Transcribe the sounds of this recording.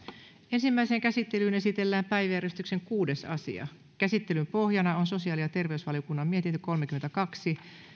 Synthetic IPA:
e̞nsimːæiseŋkæsit̪ːe̞lyːne̞sit̪e̞lːæːmpæjʋjæɾest̪ykseŋkuːde̞sɑ̰sḭɑ̰ | kæsit̪ːe̞lympo̞hjɑnɑonso̞siɑːlijɑt̪e̞rʋe̞ysʋɑliokunːɑmmie̞t̪int̪yko̞lmekyment̪ækɑksi

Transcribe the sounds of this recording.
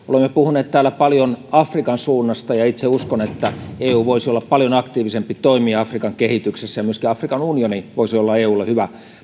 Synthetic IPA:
o̰lemːepuhunˑeːt̪t̪æːlæpɑljonɑfrikɑnsuːnːɑst̪ɑjɑit̪seuskonet̪ːæeːuːʋoisiolːɑppɑljonɑkt̪iːʋisempit̪oimiːɑfrikɑŋkehit̪yksesːæjɑmyøskiɑfrikɑnunioniʋoisiolːɑeːuːlːehyʋæ

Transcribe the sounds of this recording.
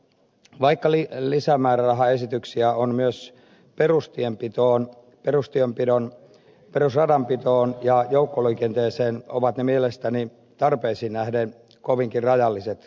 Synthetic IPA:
ʋɑikːɑlilisæmæːrærɑɦɑe̞sit̪yksiæonmyøs | perust̪iempit̪oːn | perust̪iempidon | peɾusrɑdɑmpit̪oːnjɑjoukːoliːkent̪eːseːno̰ʋɑt̪nemielest̪æni | t̪ɑrpeːsinæhden | koʋiŋkirrɑjɑlːiset̪

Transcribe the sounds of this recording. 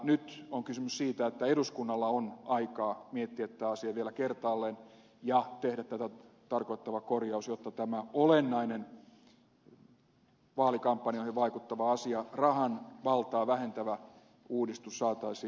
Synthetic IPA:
nyt̪oŋkysymyssiːt̪æet̪ːæeɾuskunːɑlːɑonɑikɑːmiet̪ːiæet̪t̪ːæːɑsiɑʋielækert̪ɑːlːen | jɑt̪ehdæt̪t̪æt̪æ | t̪ɑrkoit̪ːɑʋɑkorjɑusjot̪ːɑt̪æmæolenːɑinen | ʋɑːlikɑmpːɑnioˑihiʋɑikut̪ːɑʋɑɑsiɑrɑhɑnʋɑlt̪ɑːʋæhent̪æʋæ | uːdist̪usːɑːt̪ɑisiː

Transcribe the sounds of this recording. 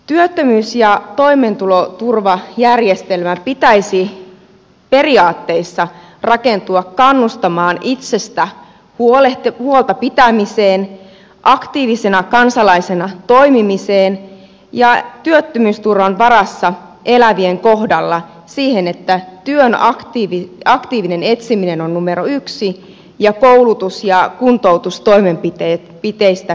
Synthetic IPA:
t̪yøt̪ːømyːsjɑt̪o̞jme̞nt̪ulo̞t̪urʋɑjærjest̪e̞lmæpit̪æjsi | pe̞riɑːt̪ːe̞isːɑ | rɑke̞nt̪uɑkkɑnːust̪ɑmɑːnit̪se̞st̪æ | huolehuolˠt̪ɑpit̪æmise̞ːn | ʔɑkt̪iːʋise̞nɑkɑnsɑlɑise̞nɑt̪o̞imimiseːn | jɑt̪yøt̪ːømyːst̪urʋɑnʋɑɾɑsːɑ | ʔe̞læʋieŋkohdɑlːɑ | siːhenet̪ːæt̪yønɑkt̪iːʋiɑkt̪iːʋine̞ne̞t̪siminenonnumeɾoyksi | jɑkoulut̪usjɑkunt̪owt̪ust̪o̞ime̞mpit̪e | pit̪eist̪æ

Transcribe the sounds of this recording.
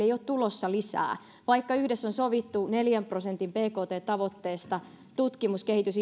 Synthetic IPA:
eijoːt̪t̪ulosːɑlisæ̰ː | ʋɑikːɑyhdesːonsoʋit̪ːuneljæmprosent̪impeːkoːt̪eːt̪ɑʋot̪ːeːst̪ɑ | t̪ut̪kimuskehit̪ys

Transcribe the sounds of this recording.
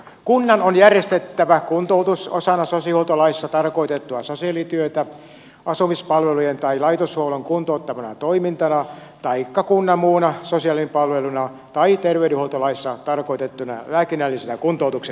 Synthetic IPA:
kunːɑnonjærjest̪et̪ːæʋækunt̪out̪uso̰sɑnɑsosihuot̪olɑisːɑt̪ɑrkoit̪et̪ːuɑsosiɑlit̪yøt̪æ | ɑsumispɑlʋelujent̪ɑilɑit̪osholoŋkunt̪out̪ːɑʋɑnɑ̰t̪oimint̪ɑnɑ | t̪ɑikːɑkunːɑmuːnɑsosiɑlimpɑlʋelunɑ | t̪ɑit̪erʋeydehuot̪olɑisːɑt̪ɑrkoit̪et̪ːunɑ̰ʋæːkinælːisenækunt̪out̪ukse

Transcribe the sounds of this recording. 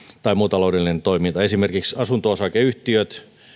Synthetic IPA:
t̪ɑimuːt̪ɑloudelːinent̪oimint̪ɑesimerkiksɑsunt̪oosɑkeyht̪iøt̪

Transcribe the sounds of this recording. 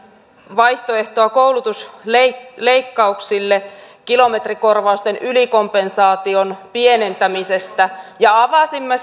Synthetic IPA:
ʋɑiht̪oe̞ht̪oɑkoulut̪usleleikːɑuksilːekilo̞met̪riko̞rʋɑust̪enyliko̞mpe̞nsɑːt̪ionpiene̞nt̪æmisest̪æjɑɑʋɑsimːe

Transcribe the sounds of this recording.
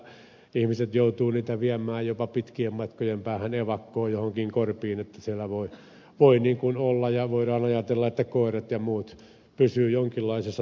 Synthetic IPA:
ihmiset̪jout̪uːniːt̪æʋiæmˑæːjjopɑpit̪kiemmɑt̪kojempæːhæneʋɑkːoːjohoŋkiŋkorpiːnet̪ːæsielːæʋoi | ʋoiniːŋkunolːɑjɑʋoiɾɑːnɑjɑt̪elːɑet̪ːækoˑeret̪jɑmuːt̪ | pysyːjoŋkilːɑisesːɑ

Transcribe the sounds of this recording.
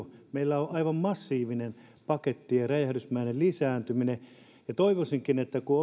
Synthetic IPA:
meilːæoʔɑiʋɑmmɑsːiːʋinen | pɑket̪ːijɑræjæhdysmæinellisæːnt̪ymine | jɑt̪oiʋosiŋkinet̪ːækuo

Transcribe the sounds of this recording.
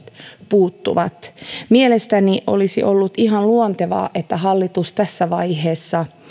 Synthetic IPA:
t̪puːt̪ːṵʋɑt̪mielest̪æniʔo̰lisḭʔolːut̪iɦɑnluont̪eʋɑ̰ːʔet̪ːæɦɑlːit̪ust̪æsːæʋɑiɦeːsːɑ

